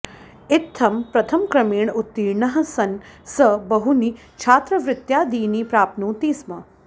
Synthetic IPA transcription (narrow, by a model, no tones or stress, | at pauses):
ɪt̪ʰːɐmpɾɐt̪ʰɐmkɾɐmiːɳut̪ːiːɳɐɦɐ̆sɐnsɐbɐɦuni | t͡ʃʰaːt̪ɾɐʋɾɪt̪jaːd̪iːnipɾaːpnuːt̪iːsmɐ